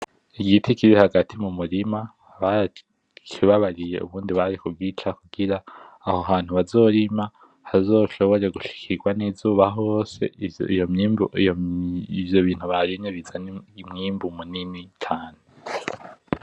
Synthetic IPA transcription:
iɡitʰikiɾihaɡatʰimumuɾima | βa | t͡ʃʰiβaβaɾije̞̰ʔṵβuːndiβaɾikubɡiːt͡ʃakuɡ̥iɾaː | hoɦaːn̥huβazo̞ːɾima | hazo̞ːʃo̞βo̞ɾe̞ɡuʃi̥kʰiɡwanizuːβaɦose̞̰ijoib | ivjo̞βiːn̥huβaɾiɲeβizanimŋiːmbumuninitʰaːne

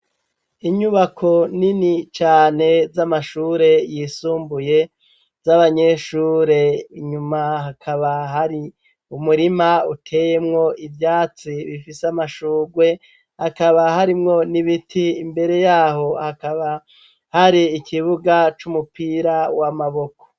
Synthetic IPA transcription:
iɲuβakʰo̞ninit͡ʃaːne̞zamaʃuːɾe̞jisuːmbuje̞ | zaβaɲe̞ʃuːɾe̞iɲumaɦakʰaβaɦaɾi | umuɾimautʰe̞je̞mŋo̞ivjaːt͡siβifiseamaʃuːɡwe̞ | hakaβaɦaɾimŋo̞niβitʰiːmbe̞ɾe̞jaːɦo̞hakaβa | haɾiːkʰiβuɡat͡ʃumupiɾawamaβo̞ko̥

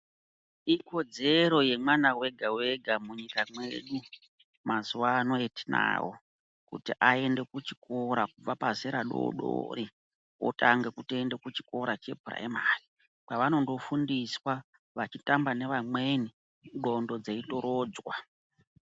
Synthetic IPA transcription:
iko̞d͡ze̞ɾo̞je̞mwanawe̞ɡʱawe̞ɡʱamuɲikamwe̞ɗu | mazuwaːno̞eti̥na̰ːwo̰ | kṵtiʔae̞nde̞kut͡ʃi̥kʰoɾakub͡vapazeɾaɗo̰ɗo̰ri | o̰taŋɡe̞kutoende̞kut͡ʃi̥ko̞ɾat͡ʃe̞bʱura̰ḛmaːsi̥ | paʋano̞ndo̞fundiswa | ʋat͡ʃitambane̞ʋamweni | ɡo̞ndo̞d͡zeito̞ɾoːd͡zwa

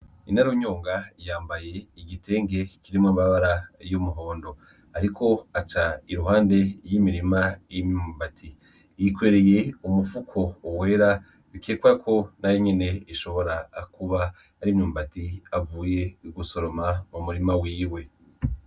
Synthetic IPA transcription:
inaɾoɲoːŋɡajaːmbaje̞iɟitʰe̞ːŋɡe̞kiɾimŋombaβaɾajumuɦo̞ːndo̞ | aɾiko̞at͡ʃaiɾuɦaːnde̞jimiɾimajimɲumbatʰi | jikwe̞ːɾe̞je̞umufukʰo̞uweɾa | βikeːkwakʰo̞najoɲe̞ne̞iʃo̞βo̞ɾakuβaː | ɾimɲuːmbatiavuːje̞ɡuso̞ɾo̞mamumuɾimawiːwe̞

